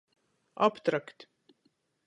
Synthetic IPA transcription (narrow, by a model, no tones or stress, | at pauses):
a̰pt̪ɾakt̪